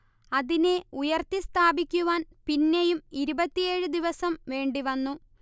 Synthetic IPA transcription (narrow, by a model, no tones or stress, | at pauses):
ɐðine̞ujɐrt̪ist̪ʰaːbikʲːuʋaːnpinːejumiɾubɐt̪ːijeːɻɨd̪iʋɐsɐmʋe̞ːɳɖiʋɐnːu